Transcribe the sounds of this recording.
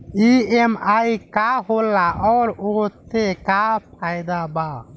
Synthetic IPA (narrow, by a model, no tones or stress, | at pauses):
iemaikaɦolːaʔɔːɾot̪ekapʰajd̪aba